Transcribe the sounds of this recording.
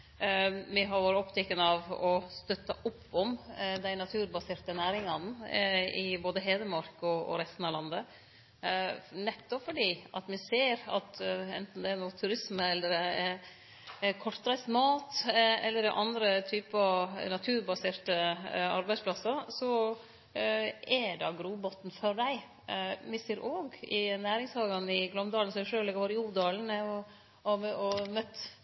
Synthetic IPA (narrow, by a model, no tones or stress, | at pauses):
mɪɦɑɾʋoːɾəɔpt̪ʰɛkːənəɑʋɔst̪œt̪ːɑʔʊpːɔmd̪æɪnɑt̪ʰʉːɾbɑseːɾt̪ənæːɾɪŋɑn | ɪboːd̪əɦeːd̪əmɑɾkɔɔ̰ɾɛst̪n̩ɑʋlɑnd̪ə | nɛt̪ːɔpfɔɖiːɑ̰t̪mɪseːɾɑ̰t̪ɛ̰nt̪n̩d̪ɛænuːt̪ʰʉɾɪsməɛlːəɾ | kʰɔʈ̪p̪ɾæɪsmɑːt̪ɛlːəɾɪ̰ʔɑnd̪ɾət̪ʰyːpənɑt̪ʰʉːɾbɑseːɾt̪əɑɾbæɪspʰlɑsɑsɔ | ɛɖɑɡɾuːbɔt̪nfɔɾɖæɪ | mɪseːɾʔoːɡɪ̰næːɾɪŋshɑːɡɑnɪɡlɔmd̪ɑːlnsɔmɛʂøːlɛɡəɾʋɑːɾɪuːd̪ɑːln̩mɛɔ | mɛʔɔmœt̪ː